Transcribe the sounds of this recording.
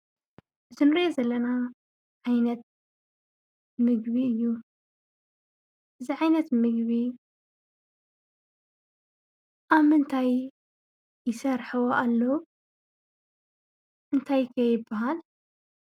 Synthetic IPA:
zɨnɨɾiʔozɐlːɐna | ʕajnɐt̪̚ | mɨɡβiɨjːu | ʔɨziʕajnɐt̪mɨɡβi | ʔaβmɨnt̪ʰajː | ɪsɐɾħɨwoʔalːɐw | ʔɨnt̪ʰajkʰɐjːɪbːaɦal

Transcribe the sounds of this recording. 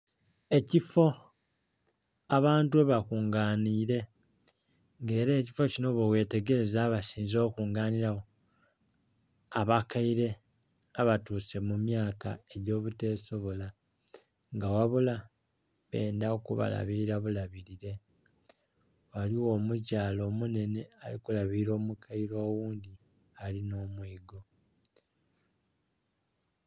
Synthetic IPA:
e̞cifo̞ | aβaːntueβakuːŋɡaːniːɾe̞ | ŋɡe̞ːɾe̞ːcifo̞cino̞βowe̞te̞ɡe̞ɾe̞zaβasiːnzo̞ːkuːŋɡaːniɾaɣo | aβakaiɾe̞ | aβatuːse̞mumjaːkae̞ɟo̞ːβute̞ːso̞βola | ŋɡawaβula | βe̞ːndaokuβa̰la̰βiɾiɾaβulaβiɾiɾe̞ | waliwo̞ːmucaːlo̞ːmune̞ne̞alikulaβiiɾo̞ːmukʰaiɾo̞ːwuːndi | alino̞ːmwiːɡo̞

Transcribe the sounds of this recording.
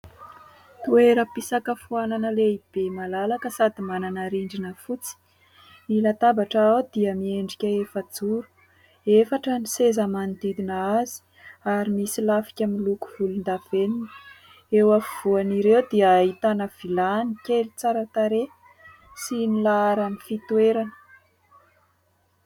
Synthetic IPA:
t̪ueɾəpisakəfuananəleib̥emalalakəsad̪imananaɾiɳɖ͡ʐinəfut͡si̥ | nilat̪abaʈ͡ʂaawd̪iəmieɳɖ͡ʐikʲəefəd͡zuɾu̥ | efaʈ͡ʂənisezamand̪id̪inəazi̥ | aɾimisilafi̥kʲamiluku̥v̥ulund̪av̥eninə | ewavuaniɾewd̪iəːɦit̪anəv̥ilanikelit͡saɾat̪aɾe | sinilaaɾaminfit̪ueɾanə̥

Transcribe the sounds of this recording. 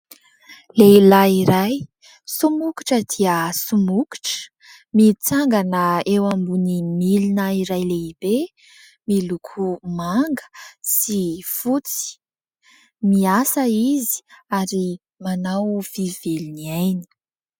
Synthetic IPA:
leilaiɾaj | sumuki̥ʈ͡ʂəd̪iəsumuki̥ʈ͡ʂ | mit͡saŋɡanəewambunimilinaiɾajleibe | milukʰumaŋɡə̥sifut͡si̥ | miasəizi̥aɾi | manawv̥iveliniajni̥

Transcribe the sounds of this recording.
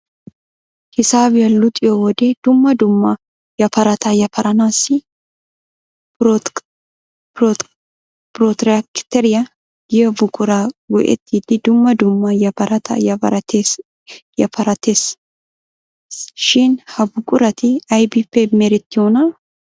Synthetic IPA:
hɪsaːbɪjɐlʊt̪ʼɪjɔwɔd̪ed̪ʊmːɐd̪ʊmːɐ | jɐpɐɾɐt̪ʰɐjɐpʰɐɾʔɐnaːsːɪ | pɾot̪ɾkt̪ɛɾɪjɐ | ɡɐbʊkʼʊɾaɡɔ̰ʔɛ̰t̪ːiːd̪ɪd̪ʊmːɐd̪ʊmːɐjɐpɐɾɐt̪ʰɐ̰jɐɐɾɐt̪e | jɐpʰɐɾɐt̪eːs | sʃɪnhɐbʊkʼʊɾɐt̪ɪɐjbifːɛmɛɾɛt̪ːɪonɐ

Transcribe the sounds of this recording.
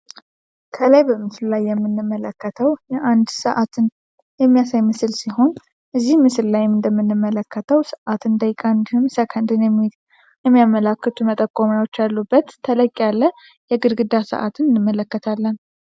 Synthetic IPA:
kʰəlajbəmɨslulajːɛmːɨnːɨmːələkːət̪ʰəwjɛʔand̪sə̰ʔat̪ʰɨn | jɛmːijasajmɨsɨlsiho̞n | ʔɨzːihmɨsɨllajmɨnd̪əmːɨnːɨmːələkːət̪ʰəwsəʔat̪ɨnd̪ajkʼand̪hɨmsəkʰənd̪ɨnjɛm | jɛmːijaməlakːət̪ʰumət̪ʼəkʼːomjawot͡ʃːalːubːət̪ʰːələkʼːalːə | jɛɡɨd̪ɡɨd̪asə̰ʔa̰t̪ʰɨnɨnːɨmːələkːət̪ʰalːən

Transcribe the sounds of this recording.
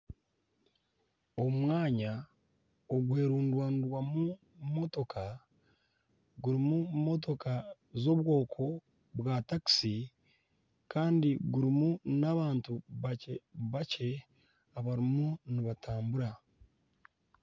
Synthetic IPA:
o̞mwaːɲa | o̞ɡuhe̞ːɾuːndwaːnidwamu | mo̞to̞kʰa | ɡuɾimumo̞t̬o̞ka | zo̞βwo̞ːkʰo̞ | βwaːtaki̥si | kaːndiɡuɾimunaβaːntuβaeβace̞ | aβaɾimuniβataːmbuɾa

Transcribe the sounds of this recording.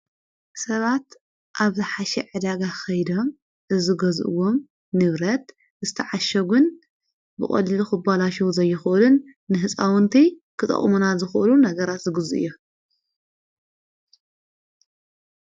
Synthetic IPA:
sɐβat̪ | ʔaβzɨħaʃɛ̰ʕɨd̪aɡaxɐjd̪o̞m | ʔɨzɨɡɐzʔɨ̰wo̞m | nɨβɾɐt̪ | zɨt̪ʰɐʕaʃɐɡun | bɨχʼɐ̰liluxɨbalaʃɐwzɐjːɪxʔɨlɨnː | ɨɦɨt͡sʼawɨnt̪ʰikʰɨt̪ʼɐ̰χʼmunazɨxʔɨlunɐɡɐɾat̪zɨɡɨzuʔɨ̰jːo

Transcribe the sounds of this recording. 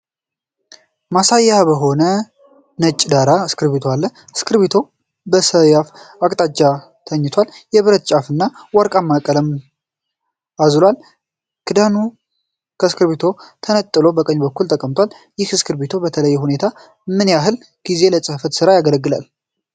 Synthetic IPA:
masajːabəɦo̞nə | nət͡ʃʼːd̪aɾaɨskʰɨɾβit̪ʰoalːəɨskɨɾβit̪ʰo̞ | bəsəjafakʼt̪ʼat͡ʃːa | t̪ʰəɲːɪt̪ʰwaljɛβɨɾət̪t͡ʃʼafɨnːawaɾkʼamːakʼələm | azlwal | kʰɨd̪anu | kʰəskʰɨɾβit̪ʰo̞t̪ʰənət̪ʼːɨlo̞bəkʼəɲːbəkːult̪ʰʼəkʼəmt̪ʰwal | jɪhɨskʰɨɾβit̪ʰo̞bət̪ʰələjːɛhune̞t̪ʰa | mɨnjaɦɨl | ɡ̥ize̞ləsʼɨhfət̪sɨɾajaɡələɡːɨla̰l

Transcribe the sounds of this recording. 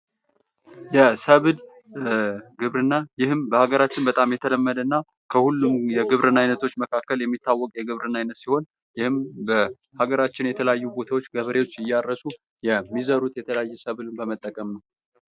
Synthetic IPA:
jɛsəβd̪ | ɡɨβɾɨnːajɪhɨmbəhaɡəɾat͡ʃːɪnbət̪ʼamjɛt̪ʰələmːəd̪ənːa | kʰəhulːumjɛɡɨβɾʔɨnajnət̪ʰo̞t͡ʃːməkʰakːəljɛmːit̪ːawːɔkʼjɛɡɨβɾɨnajnət̪siho̞n | jɪhɨmbə | haɡəɾat͡ʃːɪnjɛt̪ʰələjajːubo̞t̪ʰawot͡ʃːɡəβəɾewot͡ʃːɨjːaɾːəsu | jɛmːizəɾut̪jɛt̪ʰələjajːɛsəβd̪ɨnbəmət̪ʼːəkʼəmnəw

